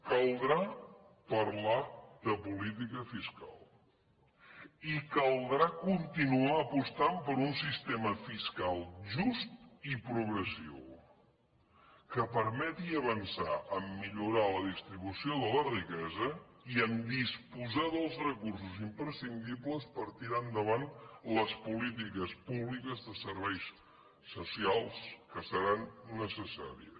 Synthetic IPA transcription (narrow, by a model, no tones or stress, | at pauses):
kəlˠd̪ɾa | pəɾlaðəpulit̪̬ikəfiska̰lˠ | ikəlˠd̪ɾakunt̪inuaəpust̪ampəɾunsist̪eməfiskalˠʒust̪ipɾuɣɾəsḭw | kəpəɾmɛt̪iəβənsaʔəmːiʎuɾaləðist̪ɾiβusioðələrikɛzəiəmd̪ispuzaðəlˠzrəkurs̬uzimpɾəsind̪ipləspəɾt̪iɾand̪əβanləspulit̪̬ikəspuβlikəzðəsəɾβɛjs | susialˠskəsəɾanːəsəsa̰ɾḭə̰s